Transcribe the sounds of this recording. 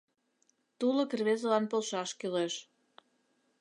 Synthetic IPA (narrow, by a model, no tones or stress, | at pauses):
t̪ulə̆kerβezəlɑnpolˠʃɑʃkyleʃ